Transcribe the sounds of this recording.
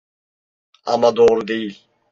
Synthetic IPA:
a̰mːad̪oʁɾud̪ejil

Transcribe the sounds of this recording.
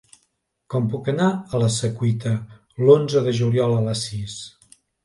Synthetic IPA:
kɔmpukənaələsəkwit̪ə | lonzəðəʒuljɔlˠələsis

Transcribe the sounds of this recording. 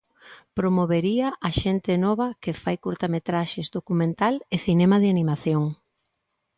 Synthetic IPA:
pɾomoβeɾiɐʔaʃent̪ɪnɔβɐkefajkuɾt̪amet̪ɾaʃezd̪okumẽnt̪aleθinɛmaðeanimaθjoŋ

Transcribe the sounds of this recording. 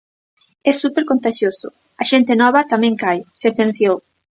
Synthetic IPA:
ɛsupeɾkont̪aʃjosʊ̰ | ɐʃent̪enɔβɐt̪amɛ̃ŋkajset̪ẽn̟θjow

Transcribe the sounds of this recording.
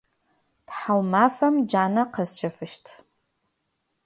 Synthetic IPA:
pħawmaːfɐmd͡ʒaːnɐqɐst͡ʃʰɐfɨʃtʰ

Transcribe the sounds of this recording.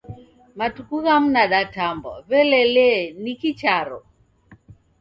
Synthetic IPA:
matukuɣam̩naɗatambɔβɛlɛlɛnikit͡ʃaɾɔ

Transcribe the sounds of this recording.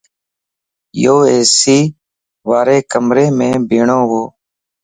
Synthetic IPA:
joːeːsiː | ʋaːɾeːkəmɾẽːmẽːbʱeːɳoːɦoː

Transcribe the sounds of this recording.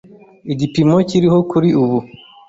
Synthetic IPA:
iɟipimociɾiɦokuɾiuβu

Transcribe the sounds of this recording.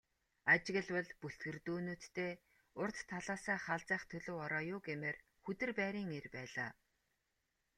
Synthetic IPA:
at͡ɕɪ̆ɣə̆ɮwə̆ɮpuɬt̪̚ɡɘ̆rt̪uːnuːt̪ːeː | ʊrt̪ʰːaɮaːsaːχaɮt͡sæːχt̪ʰɵɮŏːɔɾɔːjʊːɡemeːr | xɵt̪ɘ̆rpæːɾiːŋerpæːɮa̰ː

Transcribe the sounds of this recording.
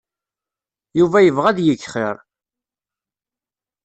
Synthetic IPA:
juvæjəvʁæd̪jəçːχɪɾˤ

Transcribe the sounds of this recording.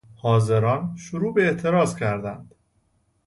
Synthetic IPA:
hɒːzeɾɒːnʃoɾuːbeeʔt̪ʰe̞ɾɒːzcʰæɾd̪ænd̪̥

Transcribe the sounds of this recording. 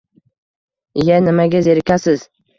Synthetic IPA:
ɪjanɪmaɡʲazeɾkʲasɪz̥

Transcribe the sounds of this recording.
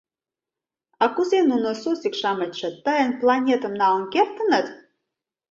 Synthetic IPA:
ɑkuzenunosusikʃɑmə̆t̪ʲʃə̆t̪ːəjənplˠɑnʲet̪ə̆mnɑonkert̪ə̆nə̆t̪

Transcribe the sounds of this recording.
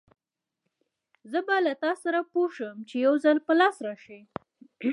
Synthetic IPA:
zəbalat̪ɑsaɾapoʃəmt͡ʃejawzalpəlɑsɾɑʃi

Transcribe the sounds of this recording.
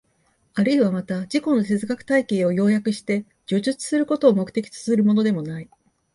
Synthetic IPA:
aɾɯ̟iβamat̪ad͡ʑiko̞no̞se̞zɨɡakɯ̟̥t̪aike̞ːo̞jo̞ːjakɯ̟ɕi̥t̪e̞ | d͡ʑoːʑɨt͡sɨ̥sɨɾɯ̟ko̞t̪o̞ːmo̞kɯ̟t̪e̞kʲi̥t͡sɨ̥sɨɾɯ̟mo̞no̞d̪e̞mo̞nai

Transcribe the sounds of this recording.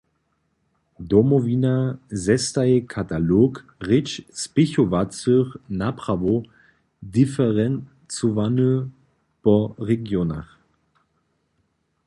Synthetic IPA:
dɔmɔviːnazɛstaɛkʰatalok | ʁɪt͡ʃspɪçovat͡søχnapʁ̥avo | difɛʁɛn | t͡sovanə | pɔʁɛɡjona̰χ

